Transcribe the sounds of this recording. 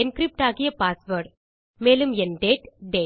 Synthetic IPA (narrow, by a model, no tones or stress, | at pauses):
ɛnkɾɪp̚ʈaːɣɪjɐpaːsʋɐɾɖ | meːlɯmɛnɖeːʈɖeː